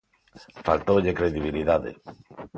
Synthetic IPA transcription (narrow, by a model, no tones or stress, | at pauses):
falt̪owʎekɾeðiβ̞iliðaðḛ